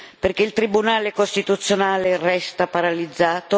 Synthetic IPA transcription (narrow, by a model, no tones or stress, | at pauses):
perk̟eilt̪ɾibunaːlekost̪it̪ut̪sːjonaːlerɛst̪apaɾalid̪zːaːt̪o